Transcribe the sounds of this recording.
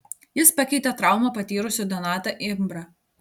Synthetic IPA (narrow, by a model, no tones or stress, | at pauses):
jɪspɐkʲɛɪt̪ʲɛt̪ɾɑˑʊmɐpɐt̪ʲiːɾʊsʲʊd̪ʲɔnɑːt̪ɐʔɪmbɾɐ